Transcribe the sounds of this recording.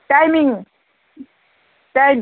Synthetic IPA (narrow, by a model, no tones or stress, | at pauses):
ʈajmiŋ | ʈajm